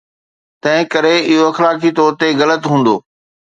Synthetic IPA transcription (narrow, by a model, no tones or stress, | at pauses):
t̪ɐ̃ɦɪ̃kɐɾeɪɦoɐxlaːkit̪ɔːɾt̪eɣɐlət̪ɦũːn̆d̪oː